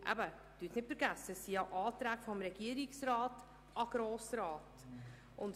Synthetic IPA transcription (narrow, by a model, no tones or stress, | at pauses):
ʔæ̰bə | d̥yːtnɪtfəɾɡæsəsijɑʔɑːtɾæːkfɔmɾeɡiəɾɪksrɑːt | ʔɑɡ̥ɾoːsrɑːt | ʔʊnt